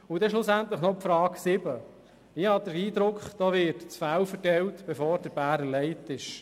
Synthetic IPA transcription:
ʊd̥̪ɛʃlʊsænt̪ləχnɔpfɾɑːksɪbə | ɪhɑd̥̪əɾiːd̪ɾʊkχd̥oːʋɪɾtt͡sfæwfəɾtɛwtb̥efɔːɾdəɾb̥æːɾəlɛɪtɪʃ

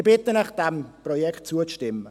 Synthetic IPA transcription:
bɪtənaχd̥ɛmprɔjɛkt̚t͡suəʃtɪmːə

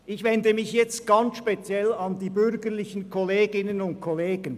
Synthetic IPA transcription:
ʔɪçvɛndəmɪçjɛt͡st̚ɡ̥ɑnt͡sʃpet͡sjɛlɑndiːbʏɾɡəʁlɪçənkʰɔleːɡɪnənʊntkʰɔleːɡ̥ən

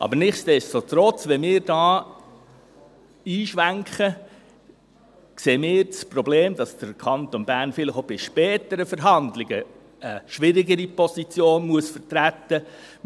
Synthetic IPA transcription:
ʔɑ̰bəɾnɪχstdɛst͡sot̪ɾɔt͡sʋɛmɪːɾdɑː | iːʃʋæŋkχə | kseːmɪːɾt͡spɾɔbleːmd̥ɑsd̥əɾkʰɑnt̪onbæɾnfɪlɪχobɪʃpɛːtəɾəfəɾɦɑndlɪɡə | əʃʋɪɾɪɡəɾipɔsit͡sjoːnmuəsfəɾtɾæt̪ːə

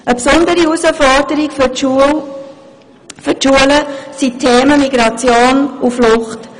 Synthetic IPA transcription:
əpsʊndəɾiusəfɔd̥əɾiɡf | fʏtʃuələsitʰːeːməmiɡɾɑt͡sjoːnuflʊχt

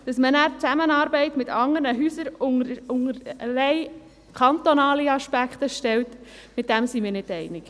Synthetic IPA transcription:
d̥ɑsmənæːɾt͡sæmənɑːɾbɛɪtmɪtʰɑŋəɾnəɦyːsəɾʊŋʊŋəɾəlɛɪ | kʰɑnt̪onɑːliɑʃpækχtəʃtɛltmɪt̚d̥æmsimɪːɾnɪdɛɪnɪk

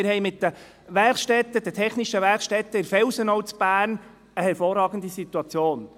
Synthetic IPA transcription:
ɪɾɦɛɪmɪtːə | ʋɛrχʃtɛt̪ːəd̥ətʰɛχniʃəʋɛɾχʃtɛt̪ːəɪɾfɛwsənɔʊt͡sb̥æːɾn | əhɛɾfoːrːɑːɡən̩d̪isit̪uɑt͡sjoːn

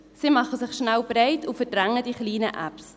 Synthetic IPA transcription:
simɑχəsɪχʃnælb̥ɾeɪtʰufəɾd̥ɾæŋədiχliːnə̰ʔæ̰ps

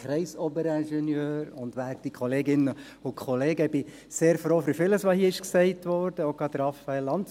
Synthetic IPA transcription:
ɾɛɪsobəɾænʃɛnjøːɾʊndʋæːk̚tikχɔleːɡɪnə | ʊkʰχɔleːɡəb̥ɪ | seːɾfɾoːfyfɪləsʋɑhiəɪʃksɛɪtʋɔɾd̥əoʊɡɾɑtdəɾɑfɑɛlːɑnt

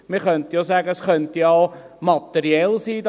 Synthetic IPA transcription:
mɪχœnt̪əjosæːɡəsχœntiɑʊ | mɑt̪ɛɾiɛlsiːd

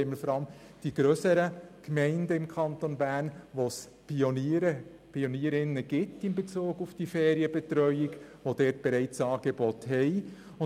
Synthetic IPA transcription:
eməl̩fɔɾɑlm | d̥iɡ̥ɾøːsəɾəkmɛɪndəɪmkʰɑntonbæːrnʋos | pʰioniɾə | pʰioniːɾɪnːəɡ̥ɪtɪnbet͡suːɡufd̥ifɛːɾiəbɛt̪ɾœʏɪɡʋod̥ɛːt̚b̥ɛɾɛɪt͡sɑːɡ̥ebɔthɛɪ | ʊ

